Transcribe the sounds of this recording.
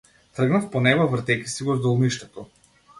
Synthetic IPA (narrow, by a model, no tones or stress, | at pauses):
t̪rəɡnafpɔnɛbavr̩t̪ɛkʲi̥siɡɔzd̪ɔlˠniʃt̪ɛt̪ɔ